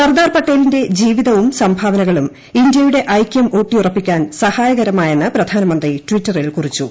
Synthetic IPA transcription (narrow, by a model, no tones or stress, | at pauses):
sɐrd̪aːrpɐʈːeːlinde̞d͡ʑiːʋiðɐʋumsɐmbʱaːʋɐnɐɣɐɭum | indjɐjuɽe̞ʔɐjkʲːɐmoːʈːijurɐpːikʲːaːnsɐhaːjɐɣɐɾɐmaːjenːɐprɐd̪ʱaːnɐmɐnd̪ritʋitːɐrilkurit͡ɕːu